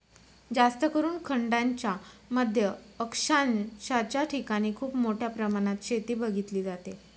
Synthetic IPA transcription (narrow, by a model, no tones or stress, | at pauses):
d͡zast̪əkəɾuːnkʰəɳɖaɲt͡ɕjaməd̪ʱjəəkʂanɕat͡ɕjaʈʰikaɽ̃iːkʰuːpmoʈʰjapɾəmaɽ̃at̪ɕet̪iːbʱəɡʱit̪liːd͡zat̪e